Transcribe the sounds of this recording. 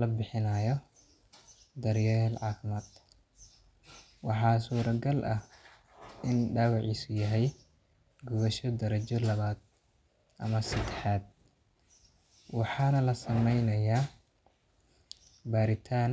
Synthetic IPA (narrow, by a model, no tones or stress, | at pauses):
lɐbɪħɪnaːjɔ | d̪ɐɾjɛːlʕɑːfɪmaːd̪ | wɑħɑːsuːɾɐɡɐlʔɐh | ʔɪnɖaːwɑʕiːsʊjɐɦɛj | ɡʊβɐʃɔd̪ɐɾɐt͡ʃɔlɐβaːd̪̚ | ʔɐ̰mɐsɐd̪ɛħaːd̪̚ | wɑħɑːnɐlɐsɐmɛjnɐjaː | baːɾɪt̪ʰaːn